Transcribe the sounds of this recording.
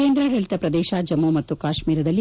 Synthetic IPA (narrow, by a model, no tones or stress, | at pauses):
eːnd̪ɾɐɾɐɭit̪ɐpɾɐd̪ɛːʃaːd͡ʒɐmumɐt̪ːukaːʃmiːɾɐd̪ɐlːi